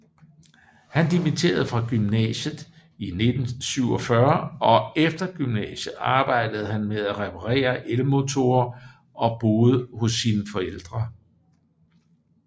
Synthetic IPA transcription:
hænd̥imit͡sʰe̝̰ːɐð̞ˠfʁɑ̈ɡ̥ymnɛ̰ɕð̩ˠ | ine̝d̥n̩syʊ̰ɒ̽fɶɐɒ̽efd̥ɐɡ̥ymnɛ̰ːɕð̩ˠɑ̈ːb̥ɑ̈ɪ̰d̥əð̞̩ˠhænmeðˠæʁɛpʰɑʁɛ̰ːɐʔeləmo̝t͡sʰo̝ɐ | ʔɒ̽b̥o̝ːðˠhɔ̽sːiːnəfɒ̽el̰d̥ʁɐ

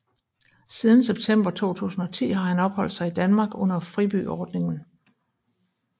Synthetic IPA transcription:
siːð̞ˠn̩seb̥̚t͡sʰem̰b̥ʁɐt͡sʰo̝̰ːt͡sʰṵːsn̩ɒ̽t͡sʰḭːɦɑ̈hænɒ̽b̥hɒ̽l̰d̥sɑ̈ɪid̥ænmɑ̈ːɡ̥ɔ̽n̰ɐfʁib̥y̰ːɒːd̥ne̝ŋn̩

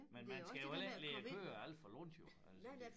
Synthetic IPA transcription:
menmænsɡ̥æjoelleɐø̰ːɐæl̰d̥fɒlɔn̰d̥jo | æls

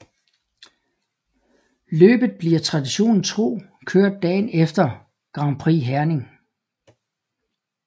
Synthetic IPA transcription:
lø̰ːb̥ð̩ˠb̥liɐt͡sʰʁɑ̈d̥iɕo̝̰ːnn̩t͡sʰʁo̝̰ː | kʰøɐ̰d̥̚ːɛ̰ːnefd̥ɐ | ɡ̥ʁɑ̈mpʰʁḭːɦæɐne̝ŋ

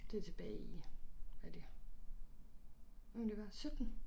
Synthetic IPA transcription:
d̥e̝t͡sʰe̝b̥ɛːiʋæd̥e | omnd̥eʋɑsød̥n̩

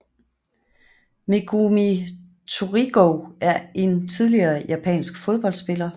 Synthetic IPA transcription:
meɡ̥ʰumi | t͡sʰuʁiɡ̥oæɐʔe̝nt͡sʰið̞ˠliɐːjʔæpʰɛ̰ːnsɡ̥foð̞ˠb̥ɒ̽l̰d̥sb̥e̝lɐ

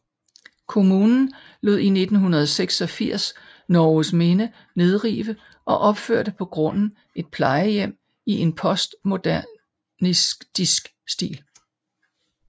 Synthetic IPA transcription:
kʰo̝muːnn̩ | lo̝ðˠine̝d̥n̩ɦunɐð̞̩ˠseɡ̥sɒ̽fiɐ̰s | nɒːsme̝nə | ne̝ð̞ˠʁḭːʋə | ʔɒ̽ʔɒ̽b̥føɐ̰ɾ̥əpʰɒ̽ɡ̥ʁɔ̽n̰n̩ | ʔe̝d̥̚pʰlɑ̈ɪəjem̰ | iʔe̝npʰɒ̽sd̥mo̝d̥æ | nisd̥isɡ̥sd̥ḭːl

